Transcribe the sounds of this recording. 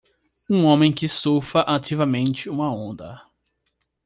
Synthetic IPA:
ũõmẽj̃kɪsofɐʔat̪ivɐmẽnt͡ʃɪũmɐõnd̪ɐ̰

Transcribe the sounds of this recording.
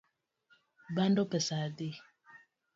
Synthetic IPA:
bandopɛsadi

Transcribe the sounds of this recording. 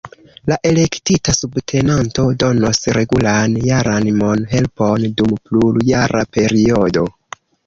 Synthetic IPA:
laʔe̞le̞ktitasubtʰe̞nanto̞do̞no̞sɾe̞ɡulanjaɾanimo̞nɦe̞lpo̞ndumpluljaɾʔape̞ɾio̞do̞̰

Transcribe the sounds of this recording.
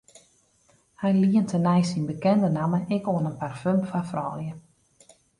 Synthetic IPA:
hɛjliəntʰənɛjsinbəkɛndənaməʔɪkoənənparfømpfafrɔ̰lˠjə

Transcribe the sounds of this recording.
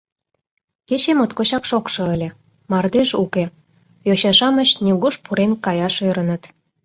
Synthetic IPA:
ket͡ɕemot̪kot͡ɕɑkʃokʃɤ̆əlʲĕ | mɑrd̪eʃuke | joɕɑʃɑmə̆ɕnʲiɣuʃpuɾenkɑjɑʃøɾə̆nə̆t̪

